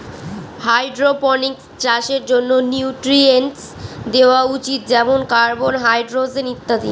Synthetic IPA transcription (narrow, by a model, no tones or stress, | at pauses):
hajɖɾopɔnikst͡ɕaʃeɾd͡ʑonːoniuʈɾienʈs | d̪eoaut͡ɕit̪̚d͡ʑɛmonkaɾbonɦajɖɾozenit̪ːad̪ḭn